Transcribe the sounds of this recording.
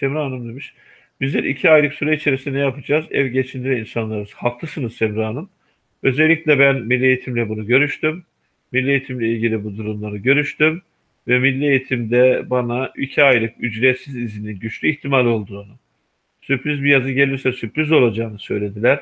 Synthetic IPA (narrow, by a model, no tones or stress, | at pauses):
semɾaːnɯmd̪emiʃ | b̥izd̪ɛɾʔḭcʰiajlˠɯksuɾeit͡ʃʰe̞ɾisind̪ɛjapʰad͡ʒaːzɛ̰vɟe̞t͡ʃʰind̪ilʲɛinsanlˠaɾɯzhaklˠɯsɯnɯzsemɾaːnɯm | ø̞zɛlʲːiclʲɛbænmilʲːiejit̪ʰimlʲɛbunuɟø̞ɾyʃt̪ymː | ilʲːiejit̪ʰimlʲɛilʲɟilʲibud̪uɾumlˠaɾɯɟø̞ɾyʃt̪ym | vɛmilʲːie̞jit̪ʰimd̪ɛbanaicʰiajlˠɯkyd͡ʒɾɛt̪sizizininɟyt͡ʃlʲyiçt̪ʰimalʲio̞lˠd̪uad̪a | sypɾizbijazɯɟelʲisɛsypɾyzo̞lˠad͡ʒaːnɯsø̞jlʲe̞d̪ilʲæɾ̥